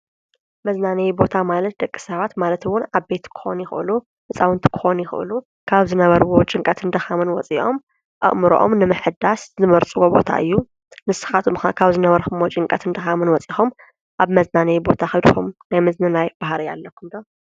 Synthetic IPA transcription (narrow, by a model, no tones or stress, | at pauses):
mɐznanɐjbo̞t̪ʰamalɐt̪̚d̪ɐkʼːi̥sɐβat̪malɐt̪wʊnaβbe̞t̪kʰɨ̥xo̞̰njɪxɨ̰ʔɨlu | ʔɨsʼawɨnt̪ʰi̥kʰɨ̥xo̞njɪxɨ̰ʔɨ̰lu | kʰaβzɨnɐβɐɾwot͡ʃʼɪŋkʼɐt̪ʰɨnd̪ɐxamɨnwɔt͡sʼiʔom | ʔɨ̰ʔmɨɾoʔo̰mnɨmɨħɨd̪aszɨmɐɾt͡sʼɨwobo̞̰t̪ʰa̰ʔɨ̰jːu | nɨsɨ̥xat̪kʰaβzɨnɐβɐɾxumot͡ʃʼɪŋkʼɐt̪ʰɨnd̪ɐxamɨnwɔt͡sʼixom | ʔaβmɐznanɐjbo̞t̪ʰaxɐd̪ɨxomnajmɨznɨnajb̥ahɾija̰lːɐkʰːumd̪o